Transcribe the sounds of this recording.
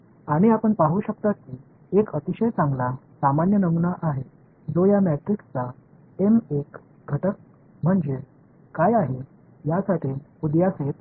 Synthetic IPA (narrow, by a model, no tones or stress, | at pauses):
aɽ̃iapəɳpaɦuːɕək̚t̪at̪̚kiː | ekət̪iɕəjt͡sãŋɡlasamanjənəmunaʔaɦe | d͡zojamɛʈ̪ɾikt͡sa | enek | ɡʱəʈək̚ | m̤əɳd͡ze | kajaɦe | jasaʈʰiːud̪jaset̪